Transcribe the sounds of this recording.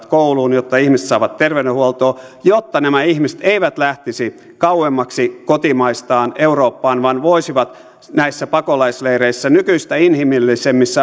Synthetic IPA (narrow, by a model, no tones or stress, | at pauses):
t̪kouluːnjot̪ːɑihmise̥t̪sɑːʋɑt̪terʋedehuolt̪oːjot̪ːɑnæmæihmise̥t̪eiʋæt̪læht̪isi | kɑuemːɑksikot̪imɑist̪ɑːneuroːpːɑːnʋɑnʋoisiʋɑt̪ | næisːæpɑkolɑislereisːænykyist̪æinhimilːisemːisːæ